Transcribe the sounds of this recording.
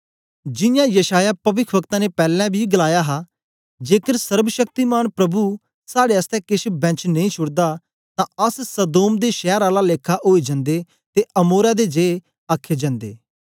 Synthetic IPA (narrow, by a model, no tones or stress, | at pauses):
d͡ʒɪ̃jãːjəʃaːjaːpɐʋɪkʰʋəkt̪ãːnepɛːlɛ̃ːbʱiːɡəlaːjaːɦaː | d͡ʒeːkəɾsəɾbəʃək̚t̪iːmaːnpɾəbuː | saːɽeːəst̪ɛ̃kɪʃbɛ̃t͡ʃnə̃ĩːt͡ʃʰʊɽd̪aː | t̪ãːəssəd̪oːmd̪eːʃɛːɾaːlaleːkʰːaʔoːed͡ʒə̃nd̪eː | t̪eʔəmoːɾaːd̪ed͡ʒeː | aːkʰːeːd͡ʒə̃nd̪ḛː